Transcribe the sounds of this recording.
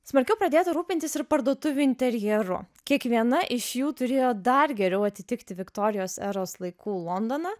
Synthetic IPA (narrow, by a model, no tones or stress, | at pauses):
smɐɾʲkʲɛʊpɾɐd̪ʲeːt̪ɐɾuːpʲɪnʲt̪ʲɪsɪɾpɐɾd̪uɔt̪ʊʋʲuːɪnʲt̪ʲɛɾʲjɛɾʊ̰ | kʲiɛkʋʲiɛnɐʔɪʃjuːt̪ʊɾʲeːjoːd̪ɐɾɡʲɛɾʲɛʊɐt̪ʲɪt̪ʲɪkt̪ʲɪʋʲɪkt̪oːɾʲɪjoːsɛɾoːslˠɐɪkuːlˠɔnd̪oːnɐ